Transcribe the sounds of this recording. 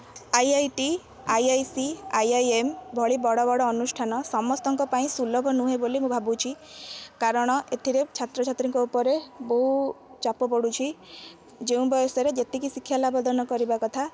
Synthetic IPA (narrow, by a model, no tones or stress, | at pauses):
ajajʈi | ajajsiajajembʱɔɭibɔɽɔbɔɽɔːnusʈʰanɔsɔmɔst̪ɔŋkɔpaĩsulɔbʱɔnũɦebolimũbʱabut͡ʃʰikaɾɔɽ̃ɔʔet̪ʰiɾet͡ʃʰat̪ɾɔt͡ʃʰat̪ɾiŋkɔupɔɾebɔɦut͡ʃapɔpɔɽut͡ʃʰi | d͡ʒeũbɔjɔsɔɾed͡ʒet̪ikisikʰːjalabɔd̪ʱɔnɔkɔɾibakɔt̪ʰa